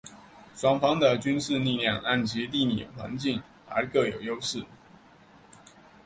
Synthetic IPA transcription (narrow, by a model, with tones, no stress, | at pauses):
ʂwɑ˥ŋfɑ˥ŋd̪ə˨t͡ɕy˥nʂɻ̩˥˧ni˥˧ljɑ˥˧ŋʔa˥˩nt͡ɕi˧˥t̪̬i˥˩nḭ˨˩jo̰˨˩xwa̰˧˥nt͡ɕi˥˩ŋ | ə̰˞˧˥kɤ˥˩jo˨˩ʊjo˥ʊʂɻ̩˥˩